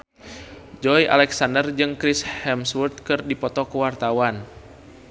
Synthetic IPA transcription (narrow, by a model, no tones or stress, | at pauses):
d͡ʒɔjʔa̰lɛksandərd͡ʒɨŋkɾishɛmswurt̪̚kɨrdipɔt̪ɔkəwart̪awan